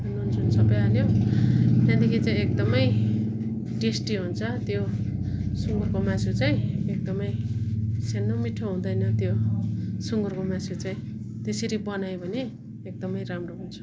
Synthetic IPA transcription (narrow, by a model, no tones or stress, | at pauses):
anund͡zunsʌbʌjaljo | j̪ãd̪ikʰit͡saĩek̚d̪ʌmʌj | ɖesʈiɦunt͡sʰʌt̪jo | suŋɡurkomãt͡sʰut͡saĩek̚d̪ʌmʌj | senːomiʈʰːoɦũd̪ʌjnʌt̪jo | suŋɡurkomãt͡sʰut͡saĩ | t̪eseɾibʌnajbʱʌne | ek̚d̪ʌmʌjɾamroɦunt͡sʰu̥